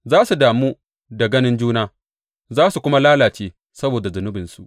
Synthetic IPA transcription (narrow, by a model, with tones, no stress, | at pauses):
zaː˦su˨daː˨muː˦ | da˨ɡɐ˦nɪ˦nd͡ʒuː˦naː˦ | zaː˦su˨kʷʊ˦ma˦laː˦laː˨t͡ʃeː˦ | sɐ˦boː˨da˨zʊ˨nʊ˦bɪ˨nsu˨ʔ